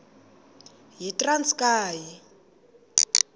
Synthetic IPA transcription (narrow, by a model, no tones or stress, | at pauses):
ɦitrant͡skaːji